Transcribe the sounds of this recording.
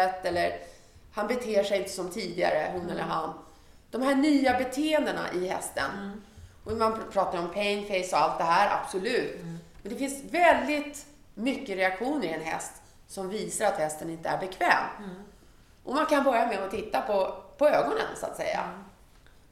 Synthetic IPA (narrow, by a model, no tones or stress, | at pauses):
ɛt̪ːɛlːəɾ | hanbɛt̪ʰeːʂɛjnt̪ə̥sɔmt̪ʰiːd̪ɪa̰ɾəɦʊnːɛlːə̰ɾɦan | d̪̥ɔmhæːɳyːabɛt̪ʰeːɛnd̪əɳa̰ʔɪhɛ̰st̪ə̰nʔɔmanpʰɾɑːt̪aɾɔmpʰɛŋfɛjsɔalt̪̚d̪ɛɦæːɾa̰b̥sɔlʉ̟ːt̪mɛnd̪ɛfɪnsvɛld̪ɪt̪ | mʏkːəɾɛakɧuːnəɾɪɛnɦɛ̰st̪ | sɔmviːsaɾat̪hɛst̪ənɪnt̪əæɾbɛkʰvɛːm | ʔɔmankʰanbœɾjamɛɔt̪ʰɪt̪ːapʰɔpʰɔøːɡɔnə̰nsʊa̰t̪sɛ̰jːa̰